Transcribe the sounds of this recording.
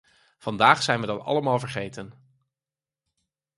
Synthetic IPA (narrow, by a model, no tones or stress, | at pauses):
v̥ɑndaːχsɛjnʋədɑtɑ̰ləmaːlˠvəɹχejtən